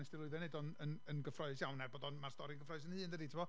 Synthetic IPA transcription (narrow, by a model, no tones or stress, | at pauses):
nɛsd̥ɪlʊɨðɛnedɔnənənɡəfrɔɨsjawnɛrboːdɔnmarstɔɾiəŋɡəfrɔɨsənhɨːndəditʰɪmbɔ